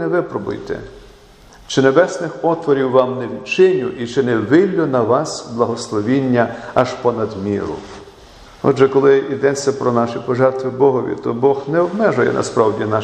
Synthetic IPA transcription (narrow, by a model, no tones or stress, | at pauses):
nɛʋɪpɾɔbʊ̰jt̪ɛ̰ | t͡ʃɪnebɛsnɪxpɔt̪ʋɔɾʲiwːɑmnɛʋʲit͡ʃɪnʲʊʔit͡ʃɪnɛʋɪlʲːʊnɐʋɑsblˠɐɦɔslˠɔʋʲinʲːɐɐʒpɔnɐd̪mʲiɾʊ̰ | ɔ̰ʒɛkɔlˠɪid̪ɛt͡sʲːɐpɾɔnɑʃipɔʒɛrt̪ʋɪbɔɦɔʋʲḭt̪ɔbɔxnɛɔbmɛʒʊjɛ̰nɐ̰spɾɑwdʲinɑ